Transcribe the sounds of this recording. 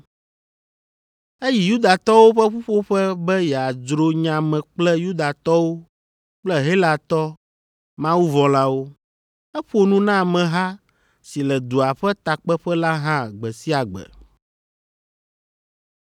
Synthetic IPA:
e˦ji˨ju˦d̪a˨t̪ɔ˦wo˦ɸɛ˦ɸu˦ɸo˦ɸɛ˦bɛ˦jɛ˨a˨d͡ʒɾo˦ɲã˨mɛ̃˨k͡plɛ˦ju˦d̪a˨t̪ɔ˦wo˦ | k͡plɛ˦ɦe˦la˨t̪ɔ˦ | mã˦wu˦vɔ̃˨la˦wo˦ | ɛ˦ɸo˦nũ˦nã˦˨mɛ̃˨ɦa˦ | si˨lɛ˨d̪u˨a˨ɸɛ˦t̪a˨k͡pɛ˦ɸɛ˦la˦ɦã˦ɡ͡bɛ˨si˦a˨ɡ͡bɛ̰˨

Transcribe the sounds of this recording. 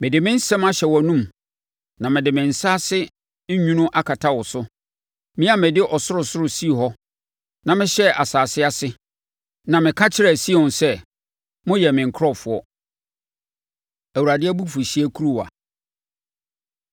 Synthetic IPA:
mɪ̃˨dɪ˨mɪ̃˦n̩˦sɛ̃˦ma˦ɕɛ˨wɔ˨nũ˦m | nã˨mɪ̃˨dɪ˨mɪ̃˨n̩˨sa˦sɪ˦ | ɲũ˦nʊ̃˦ʔa˦kʰa˨tʰa˦wɔ˨sʊ˦ | mɪ̃˦a˦mɪ̃˨dɪ˦ʔɔ˨sʊ˦ɾʊ˨sʊ˦ɾʊ˨si˦˨ɦɔ˦ | nã˨mɪ̃˦ɕɛ˦ʔa˨saː˨sɪ˦a˦sɪ˦ | nã˨mɪ̃˨kʰa˦t͡ɕʰɪ˦ɾɛ˨si˦e˨ʊ̃˨nsɛ˦ | mʊ̃˦jɛ˨mɪ̃˨ŋ̩˨kʰɾɔ˦˨fʊ˨ɔ˦ | æ˨wu˨ɾa˨dɪ˦ɛ˦bu˦fʊ˨ɕi˦æ˦kʰu˦ɾu˦˨wa̰˨

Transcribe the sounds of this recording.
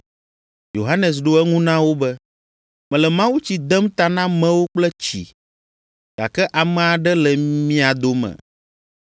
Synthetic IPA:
jo˨ɦa˦nɛ̃˨s̬ɖo˦ɛ˦ŋũ˦nã˦wo˦bɛ˦ | mɛ̃˨lɛ˨mã˦wu˦t͡ɕi˨d̪ɛ˦mt̪a˨nã˦mɛ̃˦wo˦k͡plɛ˦t͡ɕḭ˨ | ɡ̥a̰˨kɛ˦ʔa˨mɛ̃˨a˨ɖɛ˦lɛ˨mĩ˦a˨d̪o˦mɛ̰̃˨

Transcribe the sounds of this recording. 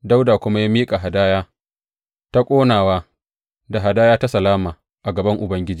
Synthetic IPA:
da˦wdaː˨kʷʊ˦ma˦jaː˦miː˦kʼa˨ɦa˨daː˦jaː˦ | ta˦kʷʼoː˦naː˨waː˦ | da˨ɦa˨daː˦jaː˦ta˦sɐ˨laː˦maː˨ | ʔa˨ɡɐ˨bɐ˦ŋʔʊ˨bɐ˦ŋɡʲɪ˦d͡ʒiː˦˨

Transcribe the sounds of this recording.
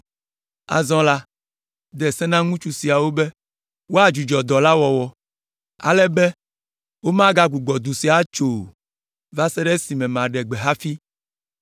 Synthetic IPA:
a̰˨zɔ̃˦la˦ | d̪ɛ˨sɛ˦nã˦ŋũ˦t͡ʃu˦si˨a˨wo˦bɛ˦ | wo˦a˦d͡ʒu˨d͡ʒɔ˨d̪ɔ˨la˦wɔ˨wɔ˨ | a̰˨lɛ˦bɛ˦ | wo˦mã˦ɡa˦ɡu˨ɡ͡bɔ˨d̪u˨si˨a˦t͡ʃo˨ | va˦sɛ˦ɖɛ˦si˨mɛ̃˨mã˨ɖɛ˨ɡ͡bɛ˨ɦa˦fi˦

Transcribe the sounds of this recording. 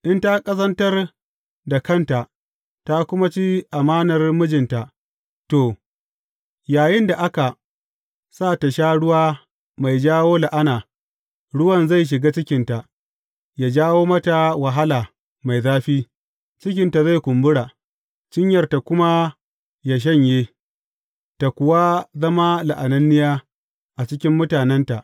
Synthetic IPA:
ʔɪ˦nta˦kʼɐ˦sɐ˦ntɐ˦r | da˨kɐ˦nta˨ʔ | ta˦kʷʊ˦ma˦t͡ʃi˦ʔa˨maː˦nɐ˨rmʊ˦d͡ʒɪ˨nta˨ʔ | toː˨ | jaː˨jɪ˦nda˨ʔa˦ka˨ | saː˦˨ta˨ʃaː˦ɽʊ˦waː˦ | ma˨jd͡ʒaː˦woː˦la˨ʔa˦naː˨ | ɽʊ˦wɐ˦˨nza˦˨jʃ̬ɪ˨ɡaː˦t͡ʃɪ˦kʲɪ˨nta˨ | ja˨d͡ʒaː˦woː˦mɐ˦ta˨wa˨ɦa˦laː˨ | ma˨jzaː˦ɸiː˦ | t͡ʃɪ˦kʲɪ˦nta˨za˦˨jkʷʊ˨mbʊ˦ɽaː˨ | t͡ʃɪ˦ɲjɐ˨rta˨kʷʊ˦ma˦ | ja˨ʃ̬ɐ˦˨ɲjeː˦ | ta˨kʷʊ˨wa˦zɐ˦ma˦la̰˨ʔa˨nɐ˦nːɪ˦jaː˦ | ʔa˨t͡ʃɪ˦kʲɪ˦mːʊ˦taː˨nɛ˦nta˨ʔ

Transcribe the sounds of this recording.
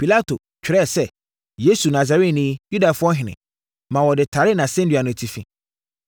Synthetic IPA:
pi˨la˦tʰo˨ | t͡ɕᶣɪ˨ɾɛ˦˨sɛ˦ | je˦su˨na˨za˨ɾe˦tnĩ˦ju˦da˨fʊ˦ɔ˦ɦɪ̃˨nɪ̰̃˨ | mã˨wɔ˨dɪ˨tʰa˨ɾɪ˦nã˨sɛ̃˦n˦dɥa˨nʊ̃˨tʰi˨fḭ̃˨

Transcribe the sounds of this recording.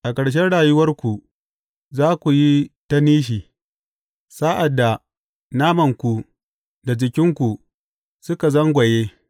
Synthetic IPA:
ʔa˨kɐ˨ɽʃ̬ɛ˦nɽaː˨jʊ˦wɐ˦rkʷu˨ | zaː˦kʷu˨ji˦ta˦niː˦ʃ̬iː˨ | sa˦ʔa˨dːa˨ | naː˦mɐ˨ŋkʷu˨ | da˨d͡ʒɪ˨kʲɪ˦ŋkʷu˨ | sʊ˦ka˨zɐ˦ŋɡʷɐ˨jeː˦

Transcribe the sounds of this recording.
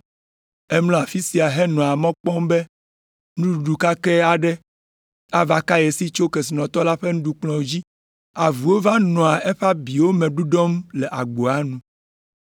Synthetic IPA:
ɛ˦mlɔ̃˦a˨fi˦si˨a˨ɦɛ˦nɔ̃˨a˨mɔ̃˦k͡pɔ˦mbɛ˦ | nũ˦˨ɖu˨ka˦kɛ˦a˨ɖɛ˦ | a˦va˦ka˦je˨si˦t͡ʃo˦ke˨s̬i˨nɔ̃˨t̪ɔ˦la˦ɸe˦nũ˦ɖu˨k͡plɔ̃˨d͡ʑi˦ | a˨vu˨wo˦va˦nɔ̃˨a˨ʔɛ˦ɸa˦bi˨wo˦mɛ̃˨ɖu˦ɖɔ˦mlɛ˨ʔa˨ɡ͡bo˨a˦nũ˦

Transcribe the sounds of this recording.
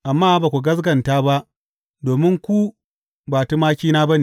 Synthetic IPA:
ʔa˨mːaː˦baː˨kʷu˨ɡɐ˦s̬ɡɐ˨ntaː˦ba˦ʔ | doː˨mɪ˦ŋkʷu˦ | baː˨tu˦maː˦kʲiː˦naː˦ba˦ni˨

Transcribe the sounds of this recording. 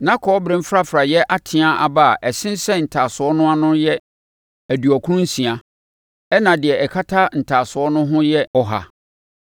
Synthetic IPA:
nã˦kʰɔː˨˦bɾɪ̃˦m̩˦fɾa˦fɾa˨jɛ˦ʔa˦tʰɪ̃˨˦a˦ʔa˨ba˦a˨ʔɛ˨sɪ̃˦n˦sɛ˦n̩˨tʰaː˨sʊ˨ɔ˦nʊ̃˦a˦nʊ̃˦jɛ˦ | æ˨du˨ɔ˨kʰu˦ʊ̃˦n̩˦sĩ˨a˨ | ɛ˦nã˨dɪ˨ɛ˨ɛ˨kʰa˦tʰa˦n̩˨tʰaː˨sʊ˨ɔ˦nʊ̃˦ɦʊ̃˦jɛ˦ɔ˦ɦa̰˨

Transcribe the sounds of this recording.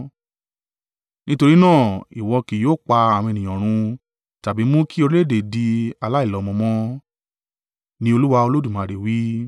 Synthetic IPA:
nĩ˦to˧ɾi˦nãː˦˨i˨wɔ˧ki˨joː˦˨k͡pa˧ã˨ĩ˧e˧nĩ˨j̃ɔ̃˨ɾ̃ũ˧ | ta˨bi˨˦mũ˦kʰi˦o˧ɾi˦le˦˨de˨di˧a˧la˦i˦˨lɔ˨˦˧mɔ̃˧mɔ̃˦ | nĩ˧˦o˧lu˦wa˧o˧lo˦du˦˨mã˨˧˨ɾe˨wi˦

